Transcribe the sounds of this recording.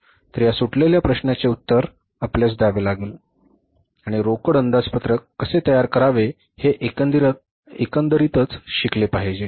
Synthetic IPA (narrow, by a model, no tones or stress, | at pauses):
t̪əɾjasuʈleljapɾəɕnjat͡seut̪ːəɾ | apljas̬d̪aʋelaɡiːl | aɽ̃iɾokəɽənd̪at͡spət̪ɾəkːəset̪əjaɾkəɾaʋe | heʔ̪ | ekənd̪əɾit̪ət͡sɕiklepaɦed͡ʑe